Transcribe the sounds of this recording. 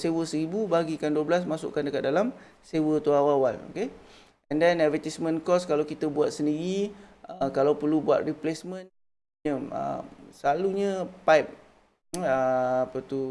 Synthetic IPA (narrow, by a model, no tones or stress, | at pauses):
sewəsəɾibubaɡikanduəblas̬masʊ̰ʔkandəkat̪̚dalam | sewət̪uawawano̰ke | ɛ̃ndɛnɛvɛt̪ismə̃nkɔskalawkit̪əbuwat̪̚səndiɾiʔəkalawpərlubua̰t̪̚riplesmə̃n | ɲəə̰səlaluɲə̃pajp̚ | əapət̪u